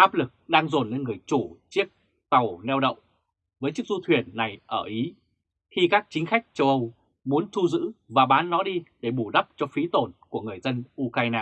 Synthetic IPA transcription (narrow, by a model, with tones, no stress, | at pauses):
ʔaː˦˥p̚lɨ˨˩k̚ɗaː˧ŋzo˨˩nːe˧nŋɨ˨˩əjt͡ɕu˧˩t͡ɕi˦˥ək̚ | t̪ə˨˩wnɛ˧wɗə̰˧˨wŋ͡m | vəː˨˦jt͡ɕi˦˥k̚zu˧t̪ʰwi˨˩ənːa˨˩jʔəː˧˩ʔi˨˦ | xi˧kaː˦˥k̚t͡ɕï˨˦ŋ̟xa˦˥k̟̚t͡ɕə˧wʔə˧w | mu˨˦ənt̪ʰu˧zɨ̰˧˥vaː˨˩ɓaː˨˦nːɔ˨˦ɗi˧ɗe˧˩ɓu˧˩ɗə˦˥p̚t͡ɕɔ˧fi˨˦t̪o˨˩nku˧˩əŋɨ˨˩əjzə˧nʔu˧kaː˧jnaː˧